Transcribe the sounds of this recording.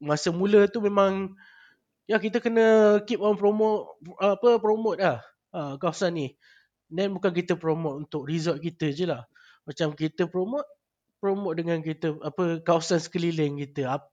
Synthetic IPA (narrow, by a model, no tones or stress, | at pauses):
masəmũlət̪umẽmãŋ | jakit̪əkənəkip̚ɔnpɾomot̚ːpəpɾomot̪̚lah | əkawasanih | dɛnbukank̬it̪əpɾomot̪̚unt̪ʊk̚rizɔt̪̚kit̪əd͡ʒəlah | mat͡ʃamkit̪əpɾomot̪̚ | pɾomot̪̚dəŋank̬it̪əapəkawasansə̥kəliləŋkit̪əa